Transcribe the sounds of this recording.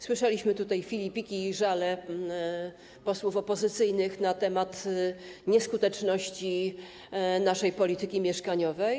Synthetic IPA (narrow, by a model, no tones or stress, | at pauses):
swɘʂɛlʲiɕmɘt̪ut̪ajfʲilʲipʲikʲiʐalɛ | pɔswufɔpɔzɘt̪sɘjnɘxnat̪ɛmat̪ɲɛskut̪ɛt͡ʂnɔɕt͡ɕi | naʂɛjpɔlʲit̪ɘkʲimʲjɛʂkaɲɔvɛj